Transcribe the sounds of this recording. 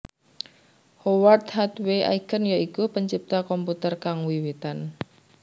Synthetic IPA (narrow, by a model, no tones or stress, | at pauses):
howart̪hat̪weʔa̰ikənjɔikupəɲt͡ʃip̚t̪akɔmput̪ərkaŋwiwit̪an